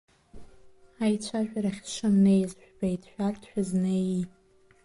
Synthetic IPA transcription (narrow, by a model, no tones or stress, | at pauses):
ajt͡ʃʷʰaʒᶣʷaɾaχʲʂɨmnejzʃᶣbajtʰʼʃʷᶣartʰʼħᶣazneji